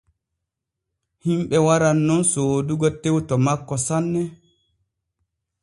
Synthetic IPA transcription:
himɓɛwaɾanːɔnsoːduɡɔtewtɔmakːɔsanːɛ

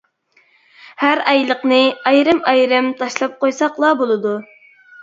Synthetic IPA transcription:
hæɾɛjlˠəqnɨɑjɾɨmɑjɾɪmt̪ʰɑʃlˠɑp̚qojsɑqlˠɑbolˠɨd̪u

